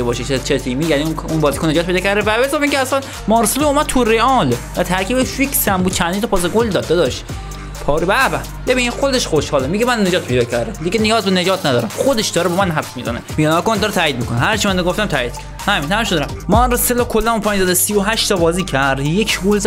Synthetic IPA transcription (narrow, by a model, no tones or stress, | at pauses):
ebɒːʃet͡ʃʰet͡ʃʰet̪ʰiːmiːjæniunbɒːziːkʰone̞d͡ʒɒːt̪pejd̪ːkcʰæɾd̪evæbezɒːmiːŋkʲʰɛæsæn | mɒːɾseloːmæd̪̚t̪ʰuɾeɒlvæt̪ʰæɾkʰiːbefiksæmbud̪̥̚t͡ʃʰænd̪int̪ʰɔpʰɒːs̬eɡold̪ɒːd̪ːed̪ɒʃt̪ | pʰɒːɾbæbæ | bebiːnixod̪eʃxoʃhɒːlemiɡemænne̞d͡ʒɒːt̪̚pʰejd̪ɒːcʰæɾd̪eliɡenijɒːzbened͡ʒɒːt̪ʰnæd̪ɒ̰ːɾæmxod̪eʃd̪ɒːɾɛbɒːmænɦæfsmizæ̰nemiɡænɑkond̪ɒɾet̪ʰæːiːd̪miːkʰoneɦæɾt͡ʃʰimænd̪ɡoft̪æmt̪ʰæʔiːd̪̥kʰæɾd̪hæmint̪ʰæmʃod̪ɾæmmɒnɾoselokʰolːænmupʰɒːjɲzæd̪esijoɦæʃt̪ʰɒbɒːziːcʰæɾd̪jekʰɡolz